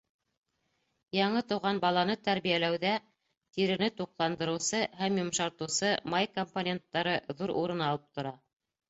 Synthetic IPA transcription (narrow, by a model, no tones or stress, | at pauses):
jɑɴɤt̪ŏwʁɑnbɑlˠɑnɤt̪æɾβijælæwðæ | t̪iɾɘ̆nɘt̪uqlˠɑnd̪ɤ̆ɾɤ̆wsɤhæmjŏmʃɑɾt̪ɤ̆wsɤmɑjkomponʲe̞nt̪ːɑɾɤðuɾuɾɤ̆nɑlˠɤp̚t̪ŏɾɑ